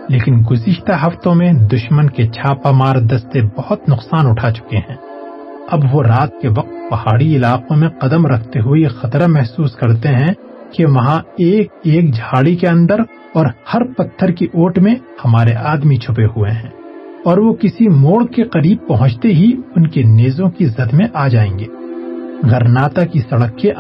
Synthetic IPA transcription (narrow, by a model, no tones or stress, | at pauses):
leːkɪnɡʊzɪʃt̪aɦɐft̪õmẽd̪ʊʃmənket͡ʃʰaːpamaːɾd̪ɐst̪ebɐhʊt̪nʊqsaːnʊʈʰat͡ʃʊ̥keɦɛ̃ː | ɐbʋoɾaːt̪̚keʋɐq̚t̪̚pɐhaːɽiɪlaːqõmẽqɐd̪əmɾɐkʰt̪eɦuixɐt̪ɾamɛɦsuːskɐɾt̪eɦɛ̃ | keʋɐɦãeːk̚eːkd͡ʒʱaːɽikeɐ̃nd̪əɾ | ɔːɾhɐɾpɐt̪ʰːəɾkiʔoːʈmẽhɐmaːɾeʔaːd̪mit͡ʃʰʊp̬eɦueɦɛ̃ːɔːɾʋokɪsimoːɭkeqɐɾiːb̚pɐɦʊ̃t͡ʃt̪eɦiʊnkeneːzõkizɐd̪mẽʔaːd͡ʒaːḛ̃ːŋɡeːɡʱɐɾnaːt̪akisɐɽəkːẽ